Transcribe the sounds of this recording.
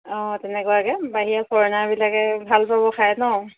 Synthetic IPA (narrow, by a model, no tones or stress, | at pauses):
ɔ̃tɛnɛkʊakɛbaɦijapʰɔɹnabilakɛbʱalpabɔkʰajnɔ